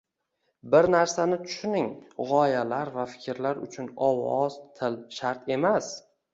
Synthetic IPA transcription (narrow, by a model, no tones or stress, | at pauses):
bɪɾnaɾsanɪt̪ʰʊ̥ʃnɪŋʁɒjalaɾvafɪ̥kʲɾlaɾʊ̰t͡ʃʰʊnɒwɒz̥t̪ʰɪlʃaɾt̪ʰe̞mas